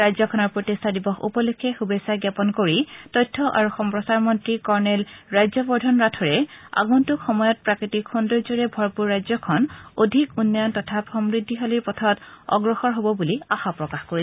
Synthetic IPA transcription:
ajzɔkʰɔnɔɹpɹotistʰadibɔxṵpɔlukʰːɛxubesaɡjapɔnkoɹitɔjtʰːɔʔa̰ɹuxɔmpɹɔsaɹmɔntɹikɔɹnɛlɹajzɔbɔɹdʱɔnɹatʰɔɹɛa̰ɡuntʊxɔmɔjɔt̚pɹakɹitikxundɔɹzoɹɛbʱɔɹpuɹːajzɔkʰɔnodʱikunːɔjɔntɔtʰapxɔmɹidʱːiɦaliɹpɔtʰɔtɔ̰ɡɹɔxɔɹɦobɔbuliaxapɹɔkaxkoɹi

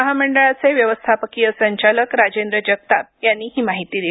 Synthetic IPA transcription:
əɦaməɳɖəɭat͡seʋjəʋəst̪ʰapəkijəsəɲt͡ɕaləkɾad͡ʑend̪ɾəd͡ʑəɡ̚t̪at̪̚janːiːɦiːmaɦit̪iːd̪i

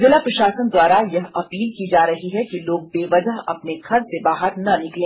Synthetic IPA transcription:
zɪlapɾɐʃaːsənd̪waːɾajɐɦɐpiːlkid͡ʒaːɾɐɦiɦɛkiloːɡ̚beːʋɐd͡ʒəɦɐ̰pneɡʰʱɐɾsebaːɦəɾnɐnɪklẽː

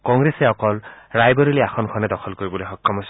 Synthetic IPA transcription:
kɔŋɡɹesɛɔkɔlɹajbɔɹiliaxɔnkʰɔnɛdɔkʰɔlkoɹibɔlojxɔkːɔmɦos

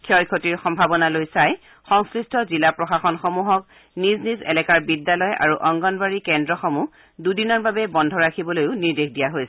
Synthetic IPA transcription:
kʰjɔjkʰotiɹxɔmbʱabɔnalojsaj | xɔŋskɹistɔzilapɹɔxaxɔnxomuɦɔk | niznizɛ̰lɛkaɹbidːalɔja̰ɹuʔɔŋɡɔnbaɹikɛndɹɔxɔmu | dudinɔɹbabɛbɔndʱɔɹakʰibɔlojʊniɹdexʰdijaɦojsɛ

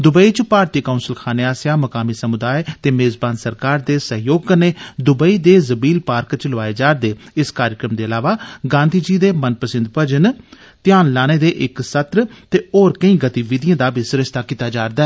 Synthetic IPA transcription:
d̪ʊbəiːt͡ʃpaːɾt̪iːkaʊnsəlkʰaːneːaːsjaːməkaːmiːsəmʊd̪aːet̪eːmeːzbaːnsəɾkaːɾd̪eːsəɦjoːɡ̚kəneːd̪ʊbəiːd̪eːzəbiːlpaːɾkt͡ʃləʋaːeːd͡ʒaːɾd̪eːɪskaːɾɪkɾəmd̪eːəlaːʋaːɡãːnd̪ʱiːd͡ʒiːd̪eːmənpəsɪnd̪pəd͡ʒən | t̪ɪjaːnlaːñeːd̪eːʔɪksət̪ɾt̪eːoːɾkəĩːɡət̪iːʋɪd̪ɪjãːd̪aːbɪsʊɾəʃt̪aːkiːt̪aːd͡ʒaːɾd̪aː

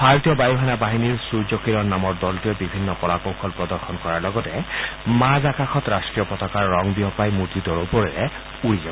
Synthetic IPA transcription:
b̥ʱaɹɔtijɔbajuɦanabaɦiniɹsuɹzɔkiɾɔɹnamɔɹdɔltijɔbibʱinːɔpɔɹakɔwxʰɔlpɹɔd̪ɔɹxʰɔnkɔɹaɹlɔɡɔtɛmazakaxʰɔtɹastɹijɔpɔtɔkaɹːɔŋbiɦɔpajmutidɔɹopɔɹɛɹɛ | uɹizɔbɔ

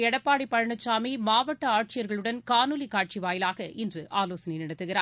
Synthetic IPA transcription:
ɛɽɐpːaːɽipːɐɻɐɳɐt͡ʃːaːmimaːʋɐʈːɐaːʈ̚t͡ʃɪjɐɾɣɐɭɯɽɐnkaːnɯlikaːʈ̚t͡ʃiʋaːjɪlaːɣɐʔɪndrɯʔaːloːsɐnɛɪnɪɽɐt̪ːɯɣɪɾaː

